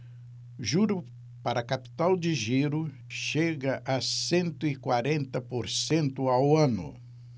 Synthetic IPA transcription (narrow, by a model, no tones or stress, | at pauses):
ʒuɾʊ | paɾɐkapi̥t̪awd͡ʒɪʒiɾʊ | ʃeɡɐʔasẽnt̪ʊɪkwaɾẽnt̪ɐpoɾsẽnt̪ʊawɐ̃nʊ̰